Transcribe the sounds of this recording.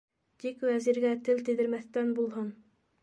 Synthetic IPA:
d̪ikwæziɾɡʲæt̪ʰɘlt̪ɘ̆d̪ɘ̆ɾmæθt̪ænbulˠhɤn

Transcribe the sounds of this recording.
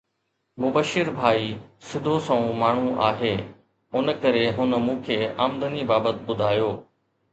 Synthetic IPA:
mʊbəʃɪɾbʱaːisɪd̪ʱosɐ̃ũmaːɳ̤ũʔa̰ːɦeː | ʊnəkɐɾeɦʊnəmũːkʰeːaːmd̪ənibaːbət̪ɓʊd̪ʱaːjoː

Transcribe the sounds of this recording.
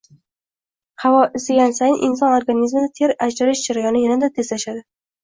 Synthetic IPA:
havɒʔɪst̪ɪɡʲansajɪnʔɪnsɒnoɾɡanizmɪd̪at̪ʰeɾad͡ʒaɾɪʃd͡ʒaɾajɒnɪjanɪd̪at̪ʰezlaʃad̪ɪ

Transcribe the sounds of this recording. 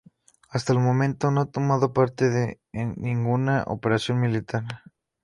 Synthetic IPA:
ast̪aelmõ̞mẽ̞nt̪o̞noat̪o̞mað̞o̞paɾt̪eðe | nĩŋɡunaʔo̰peɾasjo̞nmilit̪aɾ

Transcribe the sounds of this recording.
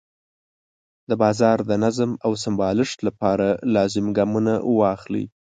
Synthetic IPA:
d̪əbɑzɑɾd̪ənazmawsɪmbɑlɪʂt̪lapɑɾalɑzɪmɡɑmunawɑxlḭ

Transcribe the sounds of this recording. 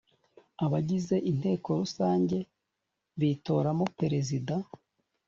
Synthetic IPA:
aβaɟize̞ʔin̥he̞ːko̞ɾusaːɲɟe̞ | βito̞ɾamopeɾe̞zida

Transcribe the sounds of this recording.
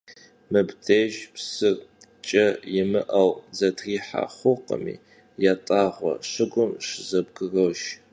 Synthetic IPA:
mɨbtʰeːʒpsɨr | t͡ʃʼɐjɪmɨʔɐwzɐtʰriːħa̰χʷʊqə̰mḭː | jaːtʼaːʁʷɔ̰ʂɨɡʷʊmʂɨzɐb̚ɡɨrɐwʃ

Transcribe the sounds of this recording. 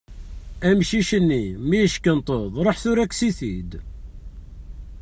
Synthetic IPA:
æmʃiʃənːimijəʃkənt̪ˤəðˤɾˤoħθʊɾæksiθid̪

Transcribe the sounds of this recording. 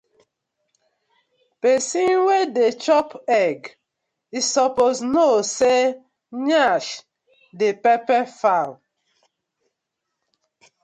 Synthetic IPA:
pesinwedet͡ʃɔpɛɡ | isɔpoznose | ɲaʃ | depɛpɛfal

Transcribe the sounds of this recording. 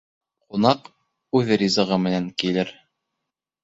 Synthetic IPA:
qunɑq | ʉðrʲizɤ̆ʁɤmɘ̆næŋkilɘɾ

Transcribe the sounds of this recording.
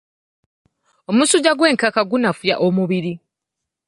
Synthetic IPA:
o̞musuɟaɡwe̞ːŋkakaɡunafuja̰ʔomuβiɾi

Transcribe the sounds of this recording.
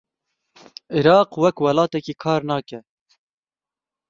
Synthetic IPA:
iɾɑːqwɛkwɛlɑːt̪ɛkiːkʰɑːɾnɑːkɛ

